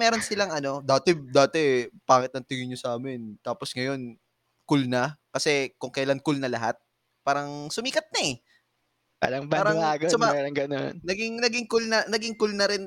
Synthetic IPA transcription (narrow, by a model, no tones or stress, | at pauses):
mɛːɾo̞nsɪlaŋɐno̞d̪aːt̪ɛd̪aːt̪ɛpaːŋɪt̪̚ɐŋt̪ɪŋɪɲosaːmɪnt̪aːposŋɐjo̞n | kʊlnɐkɐsɛkʊŋkɐjlankʊlnɐlɐɦat̪̚ | paːɾɐŋsʊmiːkɐt̪̚nɐɛ | ʔɐ̰lɐŋbaːɾɐlaːɡosomamɛɾɐŋɡɐno̰nnɐɡɪŋnɐɡɪŋkʊlnɐnɐɡɪŋkʊlnɐɾɪn